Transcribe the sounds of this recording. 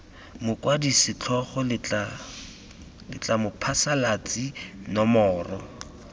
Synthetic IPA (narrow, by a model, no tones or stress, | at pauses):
mʊkwadisɪt͡ɬʰɔχɔla | lɪ̰t͡ɬamʊpʰasalat͡sʼinɔmɔːrɔ